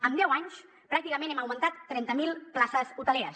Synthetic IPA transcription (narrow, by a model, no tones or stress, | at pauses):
əmd̪ɛwaɲs | pɾak̚t̪ikəmẽnɛməwmənt̪at̪ːɾɛnt̪əmilˠplasəzut̪əleɾəs